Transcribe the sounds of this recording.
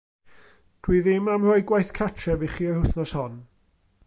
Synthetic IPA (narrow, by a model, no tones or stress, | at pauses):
d̥wiðɪmamrɔɨɡwajθkʰatʰɛviχiːərhʊθnɔshɔn